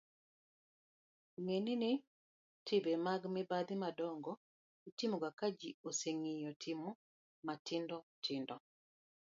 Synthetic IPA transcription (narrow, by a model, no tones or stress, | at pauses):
ŋeninɪ | tʰɪbɛmaɡmɪbad̪imadɔŋɡɔ | itimuɡakad͡ʒioseŋijɔtʰimu | matɪndɔtʰɪndɔ